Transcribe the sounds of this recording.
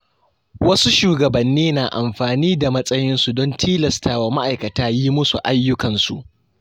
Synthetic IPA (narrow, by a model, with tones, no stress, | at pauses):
wɐ˦su˦ʃuː˨ɡɐ˨bɐ˨nːiː˦naː˨ʔa̰˨mɸaː˨niː˦da˨mɐ˦sʼɐ˦jɪ˦nsu˨dɔ˦ntʰiː˦lɐ˨stʰaː˨waː˨ma˦ʔa˨jkɐ˨taː˦ji˦mʊ˦sṵ˨ʔa˦jːʊ˦kɐ˨nsu˨ʔ